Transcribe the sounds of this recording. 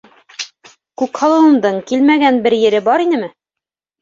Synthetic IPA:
kʉkhɑlˠɤ̆wɤ̆md̪ɤɴkilmæɡænbɘɾjɘ̆ɾɘbɑɾinɘmɘ

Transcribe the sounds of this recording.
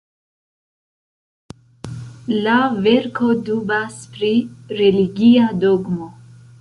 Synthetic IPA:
lave̞ɾko̞dubaspɾiɾe̞liɡiado̞ɡmo̞

